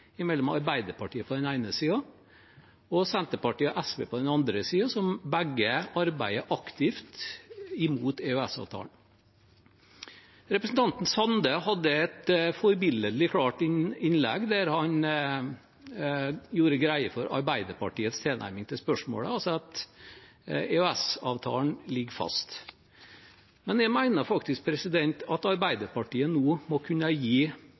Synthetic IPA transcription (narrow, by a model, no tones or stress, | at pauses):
ɪmɛlːɔmɑɾbæɪd̪əɾpɑʈʰiːəpʰɔd̪ɛnæɪnəsiːɑ | ɔsɛnt̪əpɑʈiːɑʔæsʋḛːpʰɔd̪ɛnɑnd̪ɾəsiːɑsɔmbæɡːəɑɾbæɪəʔɑkt̪ɪft̪ɪmuːt̪eʉæsɑ̰ːʋt̪ʰɑ̰ːln | ɾɛpɾəsn̩t̪ʰɑnt̪n̩sɑnd̪əhɑd̪ːəɛt̪fɔɾbɪlːəd̪lɪkʰɽɑːʈɪɪnlɛ̰ɡd̪æɾhɑn | juːɾəɡɾæɪəfɔɾɑ̰ɾbæɪd̪əɾpɑʈiːət̪st̪ʰeːnæ̰ɪɾmɪŋt̪ʰɪspœʂmo̰ːɽə̰ɑlsɑt̪ | ɛœæsɑːʋt̪ʰɑ̰ːln̩lɪɡfɑ̰st̪ | mɛnjæɪmæɪnəɾfɑkt̪ɪsk̚pʰɾɛsɪd̪ɛnt̪ɑt̪ɑɾbæɪd̪əɾpɑʈiːənuːmɔkʰʉnəjiː